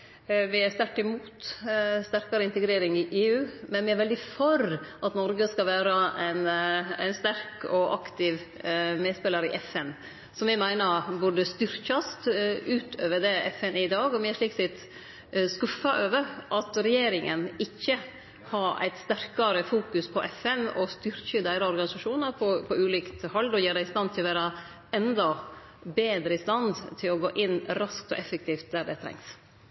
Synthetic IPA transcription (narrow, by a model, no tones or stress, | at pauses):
ʋɪæst̪æɾʈːɪmuːt̪st̪æɾkɑɾəɪnt̪əɡɾeːɾɪŋɪʔeːʉːmɛnʋɪæɾʋɛld̪ɪfɔɾʔɑt̪nɔɾɡəskɑlʋæːɾɑæɪnæ̰ɪnst̪æɾkɔʔɑ̰kt̪ɪʋ | meːd̪spɛləɾɪ̰ʔɛfɛn | sɔmʋɪmæɪnəɾbʊɖəst̪ʏɾçɑst̪ʉːt̪ʰøːʋəd̪ɛʔɛ̰fɛnɪd̪ɑːɡɔmɪæʂɭiːksɪt̪ | skʉfɑʔøːʋəɾʔɑt̪ɾɛjeːɾɪŋənɪçːə | hɑɾæ̰ɪt̪st̪æɾkɑɾəfuːkʉspʰɔʔɛfɛnɔ̰st̪ʏɾçəd̪æɪɾɑɔɾɡɑnɪsɑʂuːnɑɾpʰɔpʰɔʉːliːkt̪hɔld̪ɔjeːɾɛɪst̪ɑnt̪ʰɪlɔʋæːɾɑ | ɛnd̪ɔ | beːd̪ɾəɪst̪ɑnd̪t̪ʰɪlɔɡoːʔɪnɾɑsk̚t̪ɔ̰ʔɛfɛk̚t̪ʰiːft̪̚d̪æɖɛt̪ʰɾɛ̰ŋs